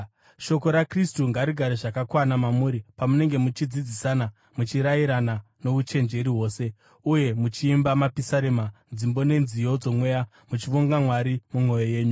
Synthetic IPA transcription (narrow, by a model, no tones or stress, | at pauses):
ʃo̞ko̞ɾakristuŋɡaɾiɡʱaɾeʐakakwanamamuːɾipamune̞ŋɡe̞mut͡ʃid͡zid͡zisana | mut͡ʃiɾaiɾana | no̞ʋut͡ʃe̞nd͡ʒe̞ɾiɦo̞ːse̞ | uje̞mut͡ʃiːmbamapisaɾemand͡zimbo̞ne̞nzijo̞d͡zo̞mwe̞ja | mut͡ʃiʋoŋɡamwaɾimumwo̞jo̞je̞ːɲu